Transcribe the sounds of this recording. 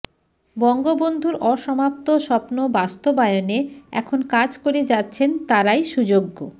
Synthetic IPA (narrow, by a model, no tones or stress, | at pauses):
bɔŋɡobond̪ʱuɾɔʃɔmap̚t̪oʃɔpnobast̪obaeoneɛ̰kʰonkad͡ʑkoɾed͡ʑatːɕʰent̪aɾajʃud͡ʑoɡːo